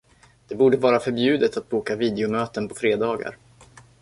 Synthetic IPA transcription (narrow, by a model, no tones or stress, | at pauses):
d̪̥ɛbuːɖəvɑːɾafœɾbjʉ̟ːd̪ət̪at̪̚buːkaviːd̪ɛʊmøːt̪ənpʰɔ̥fɾeːd̪ɑːɡa̰ɾ